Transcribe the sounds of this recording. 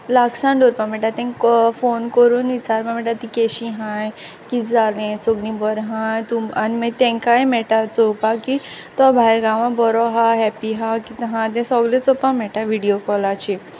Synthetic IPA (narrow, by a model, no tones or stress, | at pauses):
laksãɳɖoɾpam̤ɛʈat̪ɛ̃ŋfonkɔɾunit͡saɾmãmɛʈat̪ikeɕiɦãj | kid͡zalẽsoɡnĩbɔɾɦãjt̪uaniməjt̪ɛ̃ŋkajemɛʈat͡sopaki | t̪ɔbʱajlɡaʋãbɔɾɔɦaɦɛpiɦakit̪ɦãd̪ɛ̃sɔɡlet͡sɔpamɛʈaʋiɽijokɔlat͡ɕi